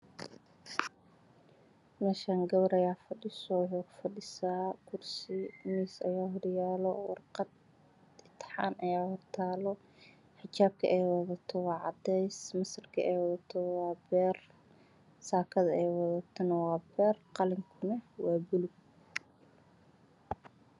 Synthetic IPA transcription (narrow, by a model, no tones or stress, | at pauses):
mɐʃaːŋɡɐwɐɾɐjaːfɐɖɪsɔwħʊfɐɗɪsaːkʰʊrsɪmiːsɐ̰jaːɦʊɽjaːlɔwɑ̰rqɑd̪̚ | ɪt̪ʰħɑ̰ːnʔɐjaːhʊt̪ʰaːlɔ | ħɪt͡ʃaːb̚kʰɐʔɛːwɑðɐt̪ʰɔwɑːʕɑd̪ɛjsmɐsɐrkʰɐʔɛjwɑðɐt̪ʰɔwɑːbɛːr | saːkʰɐðɐɛjwɑðɐt̪ʰɔnɐwɑːbɛːrqɑlɪŋkʰʊnɛwɑːbʊlʊɡ̚